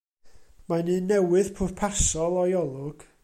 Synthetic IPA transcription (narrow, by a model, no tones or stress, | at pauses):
manɨːnɛwɨðpʰʊrpʰasɔlˠɔjɔlˠʊɡ̥